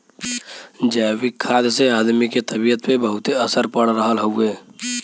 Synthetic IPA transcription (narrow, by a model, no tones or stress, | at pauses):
d͡ʒawikʰːad̪sead̪miket̪əbijət̪pebəɦut̪eəsəɾpəɽɾəɦəlɦəwe